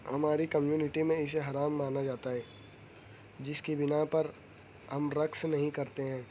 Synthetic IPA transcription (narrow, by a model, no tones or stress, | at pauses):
hɐmaːɾikɐmjuːnɪʈimẽɪs̬eɦɐɾaːmːaːnad͡ʒaːt̪aɦɛː | d͡ʒɪskibɪnapɐɾ | ɦɐmɾɐksnɐɦĩkɐɾt̪eɦɛ̃ː